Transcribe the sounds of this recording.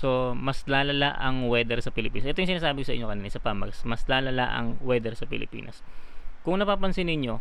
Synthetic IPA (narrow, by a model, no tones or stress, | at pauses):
so̞mɐslaːlɐlaʔɐŋwɛːd̪ɛɾsɐpɪlɪpiːnɐsʔɛt̪oʊŋsɪnaːsaːbɪkʊsɐʔɪ̰ɲokɐniːnɪsɐpaːmɐɡsmɐslaːlɐla̰ʔɐ̰ŋwɛd̪ɛɾsɐpɪ̰lɪ̰pḭːnɐ̰skʊŋnɐpaːpɐnsɪnɪɲːo̞